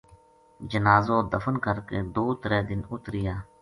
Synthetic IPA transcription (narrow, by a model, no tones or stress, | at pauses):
d͡ʒənaːzoːd̪əfənkəɾkeːd̪oːt̪ɾɛːd̪ɪnʊt̪ɾɪjaː